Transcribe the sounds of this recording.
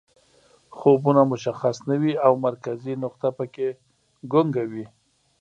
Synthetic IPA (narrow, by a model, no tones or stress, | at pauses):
xobunamʊʃaxasnawiawmaɾkazinʊq̚t̪apəke | ɡʊŋɡawi